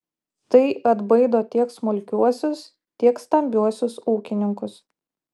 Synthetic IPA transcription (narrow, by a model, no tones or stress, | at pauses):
t̪ɐɪʔɐd̪bɐɪd̪oːt̪ʲiɛksmʊlʲkʲuɔsʲʊs | t̪ʲiɛkst̪ɐmʲbʲuɔsʲʊsuːkʲɪnʲɪŋkʊs